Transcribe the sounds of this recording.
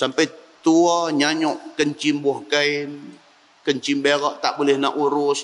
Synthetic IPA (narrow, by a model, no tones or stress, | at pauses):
sampəjt̪uaɲaɲɔʔkəɲt͡ʃimbɔhkəin | kəɲt͡ʃimbeɾaʔt̪aʔbulɛhnaʔuɾʊs